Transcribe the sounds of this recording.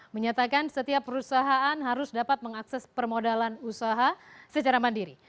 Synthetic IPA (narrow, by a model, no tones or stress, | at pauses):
məɲat̪akansət̪iapːəɾusaɦaanɦaɾʊsdapat̪̚məŋaksɛspərmodalanusaɦasət͡ʃaɾamandiɾḭ